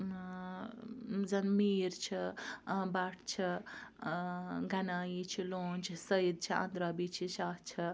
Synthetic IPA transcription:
zɐnmiːɾt͡ʃʰibaʈʰt͡ʃʰi | ɡɐnaːjit͡ʃʰilõːnt͡ʃʰisɐjid̪̚t͡ʃʰiɐ̰̃nd̪ɾabit͡ʃʰiʃaːtt͡ʃʰi

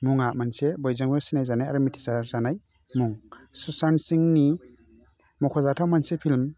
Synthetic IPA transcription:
muŋamansebɔjzaŋbesinajzanajaɾumitʰi̥saɾzanaj | muŋsusansiŋni | mɔkʰɔzatʰawmansepʰilm

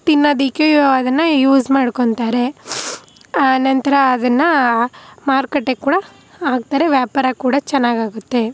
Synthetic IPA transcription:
t̪inːɐd̪ikeɐd̪ɐnːɐjuːzmaːɽkoɳt̪aːɾe̞ | ɐnɐnt̪ɐɾɐːd̪ɐnːɐ | maːɾkɐʈːekːuːɽɐ | aːɡ̚t̪aːɾeʋjaːpɐɾakuːɽɐt͡ʃɛnːaːɡaːɡut̪ːe̞

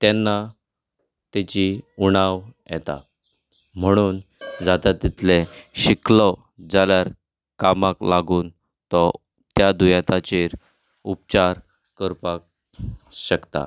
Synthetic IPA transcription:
t̪jɛnːa | t̪ɛt͡ɕiuɽ̃aʋjɛ̰t̪a̰ | m̤əɽ̃uːnd͡zat̪at̪it̪leɕiklɔ | d͡zaljaɾ | kamaklaɡuːn | t̪ɔ | t̪jad̪ujat̪at͡ɕeɾ | up̚t͡ɕaɾ | kəɾpak̚ | ɕəkt̪a̰

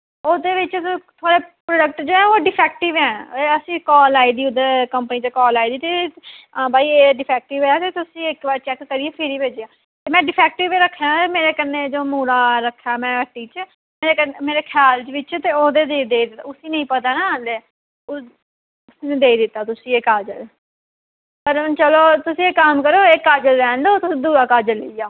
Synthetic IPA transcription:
oːd̪eːʋɪt͡ʃt̪ʰoaːɽeːpɾoːɖək̚ʈd͡ʒoːɛ̃ːoːɖɪpʰɛːkʈɪʋɛ̃ːeəsĩːkɔːlaːiːd̪iːʊd̪ekəmpəniːt͡ʃkɔːlaːiːd̪iːt̪e | baːiːeːɖɪpʰɛːk̚ʈɪʋɛːt̪eːt̪ʊsĩːɪkbaːɾt͡ʃɛːkːəɾiːeːpʰɪɾiːbeːd͡ʒjãː | t̪eːmɛ̃ːɖɪpʰɛːk̚ʈɪʋeːɾəkʰːjaːt̪emeːɾeːkəɾneːd͡ʒoːmuːɾaːɾəkʰːjaːmɛ̃ːəʈːiːt͡ʃ | meːɾeːkəmeːɾeːkʰjaːlt͡ʃʋɪt͡ʃt̪eːoːd̪eːd̪eːd̪eːid̪ɪt̪ːaːʊsĩːnəĩːpət̪aːnãːãːnd̪eː | ʊ | ʊsiːnẽd̪eːiːd̪ɪt̪ːaːt̪ʊsĩːɪkaːd͡ʒəɾ | pəɾət͡ʃəloːt̪ʊsĩːekːamkəɾoːɪkːaːd͡ʒəlɛ̃ːnd̪oːt̪ʊĩːd̪uːɾaːkaːd͡ʒələ̰ijaː

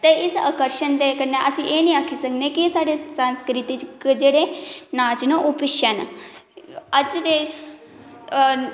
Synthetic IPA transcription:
t̪eɪsə̰kəɾʃənd̪ekəneʔəsĩʔeːnĩaːkʰisəkʰnekisaːɽesə̃nskɾit̪it͡ʃkd͡ʒeːɽenaːt͡ʃnəʔupɪʃən | əd͡ʒd̪e

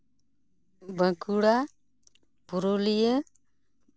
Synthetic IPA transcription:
bə̃kuɽa | puɾulijə

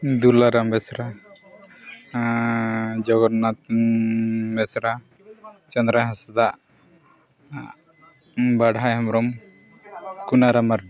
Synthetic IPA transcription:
d̪ulaɾambɛsɾa | d͡ʒɔɡɔnat̪ | mɛsɾa | t͡ʃɔnd̪ɾaɦasad̪aʔ | baɽajɦɔmɾɔm | kunaɾamaɾ

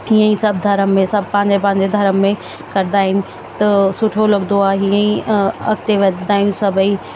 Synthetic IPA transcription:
hiːə̃ĩsɐbʱd̪ʱɐɾəmːẽsɐbʱpãːɲd͡ʑepãːɲ̆d͡ʑed̪ʱɐɾəmːẽ | kɐɾɪd̪aːɦɪnɪ̆ | t̪ɐsʊʈʰolɐɡd̪oaɦiə̃ĩɐkt̪eʋɐd̪d̪aːɦinsɐbi

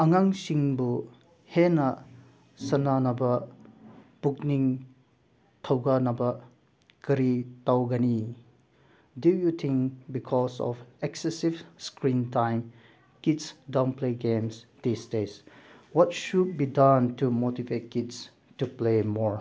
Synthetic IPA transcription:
ɐŋaŋsiŋbu | henɐ | sɐnanɐbɐ | b̥uk̚niŋ | tʰɐwɡanɐbɐ | kɐɾitawɡɐni | dujutʰĩŋkbikʰɔsɔ̰feksesivskɾintajm | kidsdawnpleɡemsd̥isdeswɔtʃud̚bidantumotivet̚kids | tuplemɔɹ

